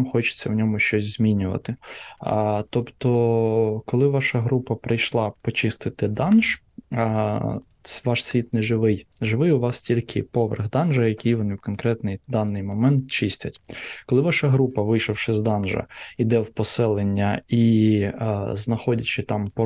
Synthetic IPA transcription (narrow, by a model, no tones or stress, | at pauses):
mxɔt͡ʃɪ̥t͡sʲːɐwnʲɔmʊʃt͡ʃɔsʲzʲmʲinʲʊʋɐ̰t̪ɪ | t̪ɔpt̪ɔkɔlˠɪʋɑʃɐɦɾupɐpɾɪjʃlˠɑpɔt͡ʃɪst̪ɪt̪ɪd̪ɑnʒ̥ | sʋɑʃsʲʋʲit̪nɛʒɪʋɪjʒɪʋɪjʊʋɑstʲilʲkʰɪpɔʋḛrɣd̪ɑnʒɐjɐkʲijʋɔnɪwkɔnkɾɛt̪nɪjd̪ɑnːɪjmɔmɛnt̪̚t͡ʃɪsʲtʲɐtʲkɔlˠɪʋɑʃɐɦɾupɐʋɪjʃɐwʃɪzd̪ɑnʒɐ̰id̪ɛwpɔsɛlˠenʲːɐi | znɐxɔdʲɐt͡ʃɪt̪ɑmpɔ